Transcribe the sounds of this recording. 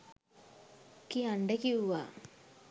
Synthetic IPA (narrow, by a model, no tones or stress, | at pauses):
kiaɳɖekiuʋaː